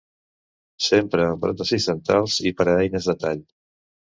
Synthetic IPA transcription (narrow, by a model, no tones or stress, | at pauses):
sempɾəːbɾo̰t̪əzizənt̪ɾalˠzipəɾəɛjnəzðət̪aʎ